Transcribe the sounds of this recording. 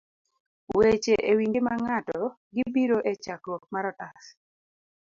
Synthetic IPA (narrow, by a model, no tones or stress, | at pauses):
wet͡ʃeʔewiŋɡemaŋatɔ | ɡibiɾoʔet͡ʃakɔmaɾɔtas